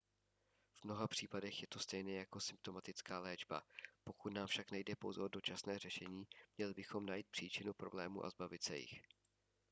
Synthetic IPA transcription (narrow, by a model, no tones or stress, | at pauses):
v̥mno̞ɦapr̥iːpadɛxjɛt̪o̞st̪ɛjnɛjako̞sɪmp̚t̪o̞mat̪ɪt͡skaːlɛːd͡ʒba̰po̞kut̪naːmfʃaknajdɛpo̞wzɛʔo̞do̞t͡ʃasnɛːrɛʃɛɲiːmɲɛlɪbɪxo̞mnajiːt̪̚pr̥iːt͡ʃɪnupɾo̞blɛːmṵːʔa̰zbavɪt̪sɛjɪ̰x